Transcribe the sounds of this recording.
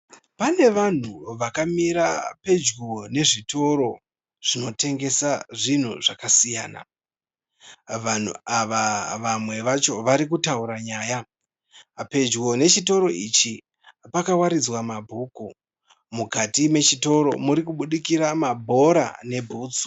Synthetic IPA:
pane̞ʋan̤uʋakamiɾape̞d͡ʒɡone̞ʐito̞ɾo̞ | ʐ̥ino̞te̞ŋɡe̞saʐin̤uʐakasija̰ːna̰ | ʋan̤ṵaʋaʋamwe̞ʋat͡ʃo̞ʋaɾik̬utauɾaɲaːja | pe̞d͡ʒɡone̞t͡ʃito̞ɾo̞it͡ʃi | pakawaɾid͡zwamabʱuːku | mukatimwe̞t͡ʃito̞ɾo̞̰muɾikuɓuɗikiɾamabʱo̞ɾa̰ne̞bʱuːt͡s

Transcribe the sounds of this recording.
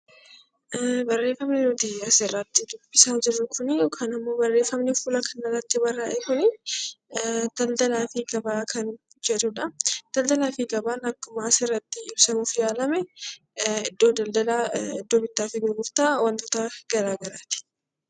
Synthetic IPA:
bɐrːe̞ːfɐmnɛnot̪ɪɐsɛrːɐt̪ːɪd̪ʊbːɪsaːd͡ʒɪrʊkʰʊnkʰɐnɐmːo̞ːbɐrːeːfɐmnɛfʊːlɐkʰɐnɐrːɐt̪ːɪbɐrːaːʔɛkʊnɪ | d̪̥ɐld̪ɐlaːfiɡɐbaːkʰɐn | d͡ʒɛᶑ̪ʊᶑɐd̪̥ɐld̪ɐlaːfiɡɐbaːnɐkːʊmaːsɪrːɐt̪ːɪɪbsɐmʊfɪjaːlɐmɛ | ɪd̪ːoːd̪ɐld̪ɐlaːɪd̪ːoːbɪt̪ːaːfɪɡʊɾɡʊft̪aːwɐnt̪oːt̪aːɡ̥ɐɾaːɡɐɾaːt̪ɪ̥

